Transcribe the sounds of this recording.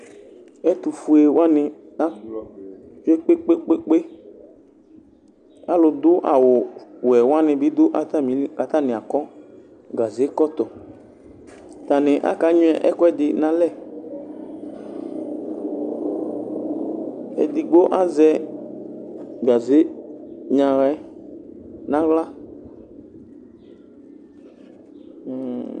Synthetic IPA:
ɛ˦tʊ˨fu˨e˨wa˦nɪ˧ | a˦ | t͡ʃe˦k͡pe˦k͡pe˦k͡pe˦k͡pe˦ | a˦lʊ˧d̪ʊ˦ʔa̰˨wʊ˨wɛ˨wa˦nɪ̃˧bɪ˨˦d̪ʊ˦ʔa˨t̪a˦mi˨˦ka˨t̪a˦˨nɪ̃˨a˨kɔ˦ | ɡa˨ze˨˦kɔ˦t̪ɔ˨ | t̪a˨nɪ̃˨ʔa̰˦ka˨˦ɲʊ̃˦ɛ˦˨ʔɛ̰˦kɔ˦ɛ˦dɪ˨nã˨lɛ˦˨ | ɛ̰˨di˨ɡ͡bo˦ʔa˦zɛ˦ | ba˨ze˦ɲã˨ɣɛ˦ | nã˦ɣla˦˨

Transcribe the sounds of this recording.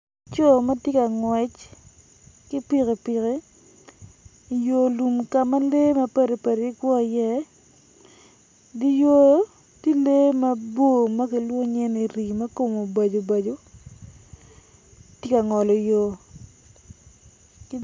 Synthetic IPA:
t͡ʃo˦˨ma˦tje˦ka˨ŋwɛ˨t͡ʃ | kɪ˦pi˦˨ki˨pɪ˨ki˦ | i˨jo˨lu˨mka˨ma˦le˦ma˦pe˦ɾe˨pe˨ɾi˦kwɔ˦a˨jɛ˦ | di˦jo˦ | ti˦le˦ma˦bo˦˨ma˦kɪ˨lwo˦ɲɛ˦ni˨ɾi˨ma˦ko˦mo˨ba˨d͡ʒo˨ba˨d͡ʒo˨ | tje˦ka˨ŋɔ˨lɔ˨jo˨ | kɪ˦

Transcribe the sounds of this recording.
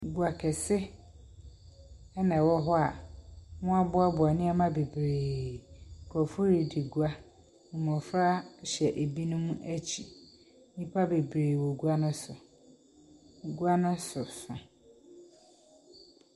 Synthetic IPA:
ɡu˨a˨kʰɛ˨sɪ˦ | ɛ˦nã˨wɔ˦ɦɔ˦a˨mʊ̃˦a˦bʊ˦a˦bʊ˨a˨nɪ̃˦a˦mã˦be˨bɾeː˨ | kʰɔ˨fʊ˦ɾi˨di˨ɡu˦a˦˨ | m˨ɔ̃˨fɾa˦ɕɛ˨ʔe˨bi˦nʊ̃˦mũ˦ʔæ˦t͡ɕʰi˨ | ɲĩ˦pʰa˦be˨bɾeː˨wo˨ɡu˦a˦nʊ̃˦sʊ˨ | ɡu˦a˦nʊ̃˦sʊ˨sã˨

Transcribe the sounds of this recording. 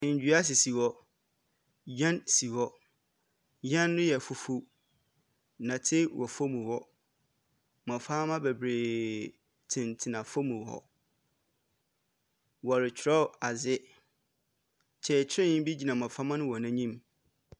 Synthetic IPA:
ɪ̃˨ɲ̩˨d͡ʑᶣɥa˦s̬ɪ˨si˨wɔ˦ | jã˦nsi˨wɔ˦ | jã˦nː˦ʊ̃˦jɛ˨fʊ˨fu˦ | nã˨tʰɪ˦wʔɔ˨fo˦mũ˨hɔ˦ | mã˨faː˦mã˦bɛ˨bɾeː˨ | tʰɪ̃˨ntʰɪ˨nã˨fo˦mũ˨hɔ̰˨ | wɔ˨ɾɪ˨t͡ɕʰɪ˨ɾɔ˦˨a˨zɪ˦ | t͡ɕʰɛ˨t͡ɕʰɪ˦ɾɪ̃˦ñ˦bi˦d͡ʑi˨nã˨mã˨fa˦mã˦nʊ̃˦wɔ̃˨nã˦ɲĩ˦m

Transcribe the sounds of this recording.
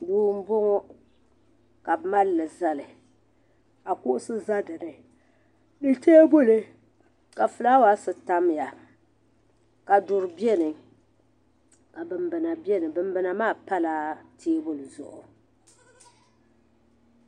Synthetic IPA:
duː˦m̩˦bo˦ŋɔ˦ | ka˨bma˦lːɨ˨za˦lɨ˨ | a˨kʊ˦ʔʊ˦sɨ˦za˦dɨ˨nɨ˨ | nɨ˦te˦e˦bo˦le˦ | ka˨fɨ˨la˦wa˦sɨ˨ta˦m˨ja˨ | ka˨dʊ˨ɾɨ˨bjɛ˦nɨ˨ | ka˨bɨ˨mbɨ˨na˨bjɛ˦nɨ˨bɨ˨mbɨ˨na˨maː˦˨pa˦la˦tʰeː˦bʊ˦lɨ˨zʊ̰˨ʔʊ˨

